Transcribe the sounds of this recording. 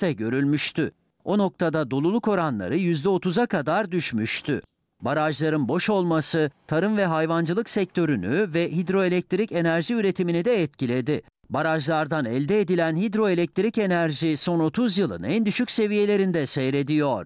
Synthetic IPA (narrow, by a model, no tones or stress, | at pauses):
ɛɟø̞ɾylʲmyʃt̪ʰy | o̞no̞k̚t̪ʰad̪ad̪o̞lˠulˠuko̞ɾanlˠa̰ɾɯjyzd̪ɛo̞t̪ʰuzakad̪aɾd̪yʃmyʃt̪ʰy̰ | baɾaʒlˠaɾɯnbo̞ʃo̞lˠmasɯt̪ʰaɾɯmvɛɦajvand͡ʒɯlˠɯksɛc̚t̪ʰø̞ɾynyvɛɦid̪ɾo̞elʲɛc̚t̪ʰɾice̞næɾʒiyɾe̞t̪ʰiminid̪ɛːt̪cilʲe̞d̪ɪ | baɾaʒlˠaɾd̪anɛlʲd̪ɛed̪ilʲænhid̪ɾo̞elʲɛc̚t̪ʰɾice̞næɾʒiso̞no̞t̪ʰuzjɯlˠɯ̰nænd̪yʃycse̞vije̞lʲe̞ɾind̪ɛsejɾe̞d̪ijo̞ɾ̥